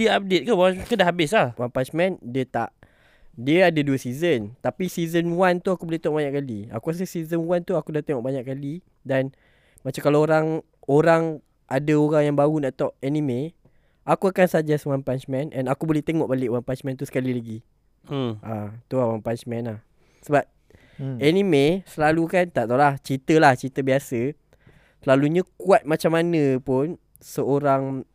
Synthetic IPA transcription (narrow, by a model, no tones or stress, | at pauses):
diəap̚det̪̚kuwakədahɦabɪslahwanpant͡ʃmɛ̃ndiət̪aʔ | diəadəduəsizənt̪apisizənwant̪uakubolɛht̪eŋɔʔbaɲaʔkalia̰kuas̬əsizənwant̪uakudat̪eŋɔʔbaɲaʔkkali | dan | mat͡ʃamkalaoɾaŋ | oɾaŋ | ʔadəoɾaŋjaŋbaɣunaʔt̪ɔʔɛnĩmẽ | ʔakuakansad͡ʒasəwampant͡ʃmɛ̃nʔɛnakubolɛht̪eŋɔʔbalɪʔowaŋpant͡ʃmɛ̃nt̪usə̥kalilaɡi | ʔat̪uawaŋpant͡ʃmɛ̃nlah | səbap̚ | ɛnĩmesəlalukant̪aʔt̪alaht͡ʃit̪əlaht͡ʃit̪əbiasə | səlaluɲãkuat̪̚mat͡ʃamːanə̃pʊn | səoɾaŋ